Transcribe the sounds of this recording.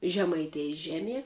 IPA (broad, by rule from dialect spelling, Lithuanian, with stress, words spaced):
ʒʲɛmɐɪˈtʲeːjɪs ˈʒʲæːˌmʲiɛ